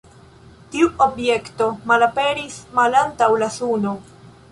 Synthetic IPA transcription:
tiuo̞bje̞kto̞malape̞ɾismalantawlasuno

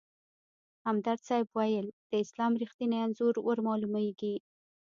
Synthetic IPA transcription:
hamd̪aɾsɑjbwajəld̪̥əɪslɑmɾixt̪ineanzuɾwʔəɾmɑlumaɡi

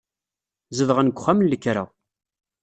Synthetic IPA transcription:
zəvʁənɡʷχamənlːəkːɾa̰

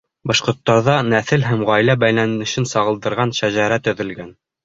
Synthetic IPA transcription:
bɑʃqŏɾt̪ːɑɾðɑnæθɘlɦæmʁɑjlæbæjlænɘ̆ʃɘnsɑʁɤ̆lˠd̪ɤ̆ɾʁɑnʃæʑæɾæt̪ɵ̆ðɘ̆lɡæn

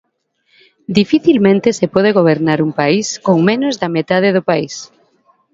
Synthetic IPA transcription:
d̪ifiθilmẽnt̪esepɔð̞eɣoβ̞eɾnaɾuŋpaiskoŋmenʊzðamet̪að̞eðʊpais

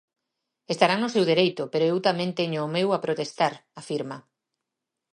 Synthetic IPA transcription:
est̪aɾanʊsewðeɾejt̪ʊpeɾoewt̪amẽnt̪eɲʊːmewapɾot̪est̪aɾafiɾmɐ

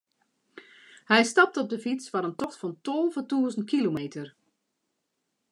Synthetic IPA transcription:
hɛjstɑp̚tɔb̚dəfit͡sfaɾəntɔxtfɔntɔlˠvətuəzəntkʰilomeːtər

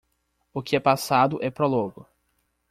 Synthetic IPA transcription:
ʊkɪɛpasad̪ʊʔɛpɾɔlõɡʊ

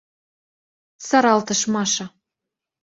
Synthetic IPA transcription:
sɑɾɑlt̪ɤ̆ʃmɑʃɑ̆

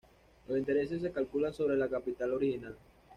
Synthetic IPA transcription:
losint̪e̞ɾe̞s̬e̞s̬ːe̞kalkulanso̞β̞ɾe̞lakapit̪alo̞ɾixinal

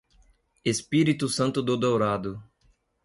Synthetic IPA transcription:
espiɾit̪ʊsɐ̃nt̪ʊd̪od̪owɾad̪ʊ

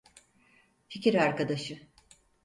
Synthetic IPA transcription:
ficʰiɾaɾkad̪aʃɯ

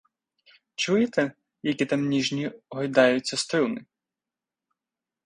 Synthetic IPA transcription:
t͡ʃujɪt̪ɛ | jɐkʲit̪ɐmnʲiʒnʲiɦɔjd̪ɑjʊt͡sʲːɐst̪ɾɪlˠnɪ

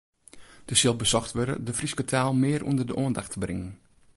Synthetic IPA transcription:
d̥əsɪlˠbəsɔxtʋøɾə̰dəfriskətʰaːlˠmɪːɾʔṵndərdəʔoəndaxtʰəbrɪŋən

